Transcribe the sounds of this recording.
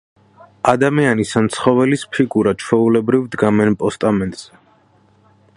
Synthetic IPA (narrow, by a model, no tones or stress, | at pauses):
ad̪amianisant̪sʰχɔvɛlispʰiɡuɾad̪̚t͡ʃʰwɛulɛbɾivd̪ɡamɛnpʼɔst̪ʼamɛnt̪ʼz̥ɛ